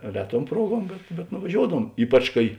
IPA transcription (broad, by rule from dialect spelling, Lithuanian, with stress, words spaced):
ˈrʲæːˌtuɔm ˈpruɔˌɡuɔm bʲɛt bʲɛt nʊʋɐˈʒʲoːʊdɐʋuɔm ˈiːpɐt͡ʃ kɐɪ